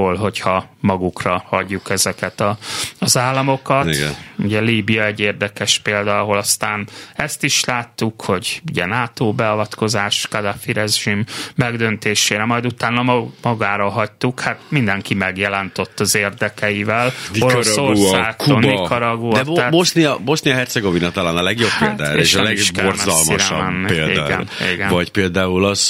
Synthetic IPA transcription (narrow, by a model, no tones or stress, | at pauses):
olɦo̞chɒmɒɡukrɒhɒɟːukɛzɛkɛt̪ɒɒzaːlːɒmo̞kɒ̰ṵɟɛliːbijɒɛɟːeːrd̪ɛkɛʃpeːld̪aɒɦo̞lɒst̪aːnɛst̪iʃlaːt̪ːukho̞ɟuɟɛ̰naːt̪oːbɛɒvɒt̪ko̞zaːʃkad̪afiɾɛʒimːɛɡd̪ø̞nt̪eːʃeːɾɛmɒjd̪ut̪aːnːɒmɒɡaːɾɒɦɒc̚t̪ukhat̪̚mind̪ɛŋkimɛɡjɛlɛnt̪øt̪ːɒzeːrd̪ɛkɛivɛloɾosorsaːkonikɒɾɒɡuːd̪ɛb̪mosniɒbost̪nijɒɦɛrt̪sɛɡovinɒt̪ɒlaːnɒlɛɡjobatd̪ɛ̰ɾeːʃlɛʃbkorɒslmiɾɛmɛnːielḛd̪a̰ːɡɛ̰lnḛːɡɛnvɒɟpeːld̪aːulɒz̥